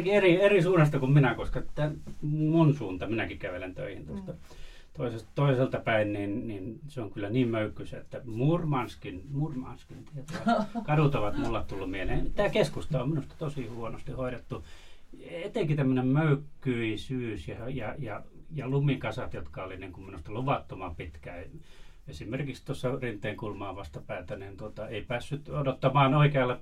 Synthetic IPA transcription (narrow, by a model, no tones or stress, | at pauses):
kierierisuːnːɑst̪ɑkumminækoskɑt̪ːæmunsuːnt̪ɑminækikæʋelent̪ø̰ihint̪ost̪ɑ | t̪oisestt̪oiselt̪ɑpæinninninseoŋkylːæniːmmøykːysæ̰ḛt̪ːæmurmɑnskinmurmɑ̰nskint̪iet̪ɑkɑdut̪oʋɑt̪mulːɑt̪t̪ulːummieneimit̪ːˑæːkeskust̪ɑoːminust̪ɑ̥t̪osihuonost̪ihoiɾet̪ːu | et̪eŋkit̪æmːønemmøykːyisyːsjɑjɑjɑjɑlumikɑsɑt̪jot̪kɑoliniːŋkumminust̪ɑluʋɑt̪ːomɑpit̪kæ | esimerkikst̪osːɑrint̪ːˑeiŋkulmɑːʋɑst̪ɑpæːt̪ænint̪uot̪ɑeipæːsːyt̪odot̪ːɑmɑːnoikeɑlːɑ